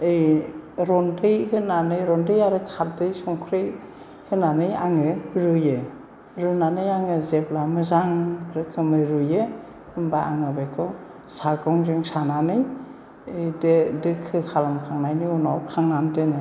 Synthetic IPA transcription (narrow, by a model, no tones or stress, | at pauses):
ɯjɾɔndɯjhɯnanɯjɾɔndɯjaɾɯkʰat̚dɯjsɔŋkʰɾej | hɯnanɯjaŋɯɾɯje | ɾɯnanɯjaŋɯzeplamɯzaŋɾɯkʰɯmɯɾuje | ɯmbaa̰ŋɯbekʰɯw | saɡɔŋɾeŋsananɯj | ɯjdedɯkʰːɯkʰalamkʰaŋnajnɯunawkʰaŋnandɯnɯ